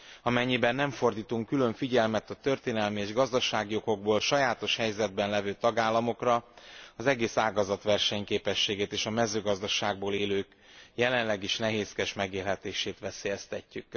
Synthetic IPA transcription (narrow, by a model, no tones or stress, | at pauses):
ɒmɛɲːibɛnːɛɱfo̞rd̪iːt̪uŋkylø̞ɱfiɟɛlmɛt̪ɒt̪ø̞rt̪eːnɛlmieːʒɡɒzd̪ɒʃaːɡijo̞ɡo̞ɡ̚boːlʃɒjaːt̪o̞ʃhɛjzɛd̪̚bɛnlɛvøːt̪ɒɡaːlːɒmo̞krɒɒzɛɡeːsaːɡɒzɒt̪ʋɛrʃɛɲkeːpɛʃːeːɡeːt̪eːʃɒmɛzøːɡɒzd̪ɒʃaːɡ̚boːleːløːk | jɛlɛnlɛɡiʃnɛɦeːskɛʃmɛɡeːlɦɛt̪eːʃeːt̪ʋɛseːjɛst̪ɛcːyk